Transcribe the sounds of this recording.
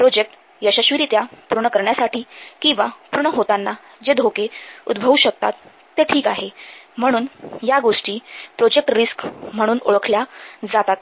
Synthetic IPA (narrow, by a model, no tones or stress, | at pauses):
pɾod͡ʑek̚ʈ | jəɕaɕʋiɾiːt̪japuɾɳəkəɾɳjasaʈʰiːkĩw̃ʋapuɾɳəɦot̪anːa | d͡ʑed̪ʱokeṵd̪bʱəʋuɕək̚t̪a̰t̪ː | eʈʰiːkaɦem̤əɽ̃uːnjaɡoʂʈiːpɾod͡ʑek̚ʈɾiskm̤əɽ̃uːnoɭəkʰljad͡zat̪at̪